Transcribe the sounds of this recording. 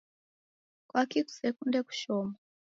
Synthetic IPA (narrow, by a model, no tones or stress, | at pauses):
kwakiku̥sɛkundɛku̥ʃɔma